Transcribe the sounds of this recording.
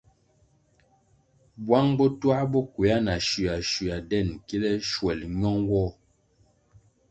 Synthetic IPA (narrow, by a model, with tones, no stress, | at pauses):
bwa˦ŋbɔ˦twa˦bɔ˦kwe˨a˦na˨ʃi˨a˨ʃi˨a˨dɛ˦˨nki˦lɛ˦ʃwɛ˨lɲɔ˦ŋwɔ˦˨